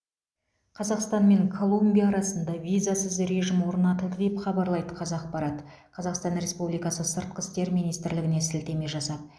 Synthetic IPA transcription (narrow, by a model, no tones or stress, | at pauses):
qʰɑzɑqst̪ɑnme̞ŋkʰo̞lˠumbʲijɑːɾɑsənd̪ɑvʲijzasəzɾe̞ʒɪmwo̞ɾnɑt̪əd̪əd̪epχɑbɑɾlˠɑjd̪əqʰɑzɑːq̚pɑɾɑt̪ | qʰɑzɑqst̪ɑnɾe̞spublijkɑsəsəɾt̪̚qəst̪e̞ɾmijnijst̪ɪɾlɪɡʲɪne̞sɪlt̪e̞me̞ʒɑsɑp̚